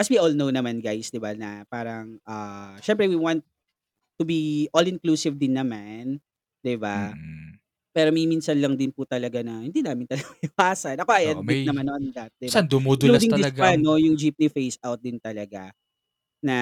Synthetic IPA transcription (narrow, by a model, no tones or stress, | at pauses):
kɐswiolnownɐmanɡajsd̪ɪbanɐpaːɾɐŋʔɐʃɛmpɾɛwiwant̪̚ː | ʊbiʔolɪnkluːsɪvd̪ɪnːɐman | d̪̥ɪba | pɛːɾomɐjminsɐnlɐŋd̪ɪnpʊt̪ɐlɐɡanɐhɪnd̪inaːmɪnt̪ɐlɐɡwaːsɐnʔɐko̞ʔɐjʔɐtdɛnɐmanoʔɐnd̪at̪̚d̪ɪband̪ʊmolud̪ɪŋɪsɡanojʊŋd͡ʒip̚nɪfejsawt̪̚d̪ɪnt̪ɐlɐɡa | nɐ